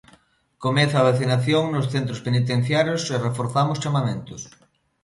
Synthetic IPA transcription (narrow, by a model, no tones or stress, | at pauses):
komeθaβaθinaθjoŋnosθent̪ɾospenit̪̬en̟θjaɾjoserefoɾθamʊst͡ʃamamẽnt̪ʊs